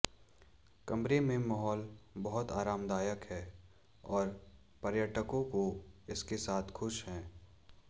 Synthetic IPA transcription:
kɐmbɾemẽmɔːɦɔːlbɐɦʊt̪aːɾaːmd̪aːjəkɦɛː | ɔːɾ | pɐɾjəʈəkõkoɪskesaːt̪ʰxʊʃɦɛ̃ː

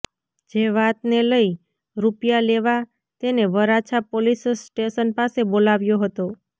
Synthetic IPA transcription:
d͡ʒeʋat̪neləi | ɾupjaleʋa | t̪eneʋəɾat͡ʃʰapolissʈeʃənpasebolaʋjoɦət̪o

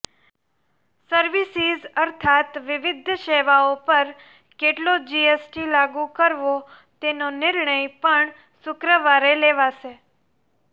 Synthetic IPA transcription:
səɾʋisizəɾt̪ʰat̪ʋɪʋɪd̪ʱʃeʋaopəɾ | keʈlod͡ʒiesʈilaɡũkəɾʋo | t̪enonɪɾɳəjpəɳ | sʊkɾəʋaɾeleʋaʃe

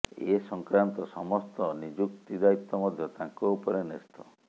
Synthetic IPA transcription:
esɔŋkɾant̪ɔsɔmɔst̪ɔnid͡ʒuk̚t̪id̪ait̪ːɔmɔd̪ʱjɔt̪ãŋkoupɔɾenest̪ɔ

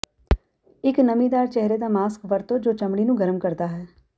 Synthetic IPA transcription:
ɪknəmĩːd̪aːɾt͡ʃɛɦɾeːd̪aːmaːskʋəɾt̪õːd͡ʒoːt͡ʃəmɽiːnũːɡəɾəmkəɾd̪aːɦɛː

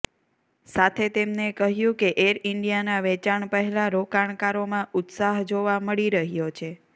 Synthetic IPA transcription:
sat̪ʰet̪emnekəɦjũkeʔeɾɪɳɖijanaʋɛt͡ʃaɳpəɦɛlaɾokaɳ̃kaɾomãʔʊt̪saɦd͡ʒoʋaməɭiɾəɦjot͡ʃʰe

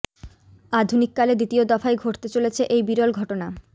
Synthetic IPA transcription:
ad̪ʱunikːaled̪it̪iod̪ɔfajɡʱoʈt̪et͡ɕolet͡ɕʰeʔejbiɾolɡʱɔʈona

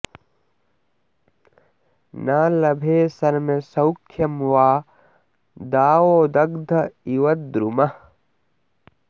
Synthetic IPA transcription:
naːlɐbʱeːsɐɾmɐsɐwkʰjɐmʋaː | d̪aːwoːd̪ɐɡd̪ʱɐiʋɐt̪̚d̪ɾumɐ

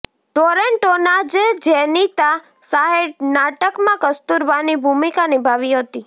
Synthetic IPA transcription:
ʈoɾeɳʈonad͡ʒed͡ʒɛnit̪a | saɦeɾnaʈəkmãkəst̪uɾʋanibʱumikanɪbʱaʋiɦət̪i

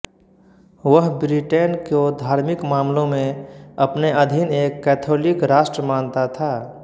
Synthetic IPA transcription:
ʋəɦbɾiʈeːnkod̪ʱaːɾmɪkmaːmlõmẽəpneʔəd̪ʱɪneːkːɛːt̪ʰoːlɪkɾaːʃʈɾəmaːnt̪at̪ʰaː

